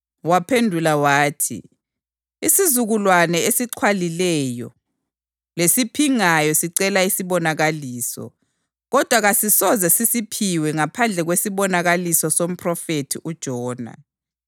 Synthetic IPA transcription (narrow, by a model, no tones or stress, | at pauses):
wapʰendʱulawaːtʰḭ | isizuɣulwanɛesiǀʰwalilɛjɔ̰ | lesipʰiŋajɔsiǀɛlaisiβɔnaɣaliːsɔ̰ | ɣɔd̥ʱwaɣasisɔzɛsisipʰiwɛŋapʰand͡ɮʱɛɣwesiβɔnaɣalisɔsom̩pʰʼrɔfetʰiʔud̥ʒ̥ʱɔːna̰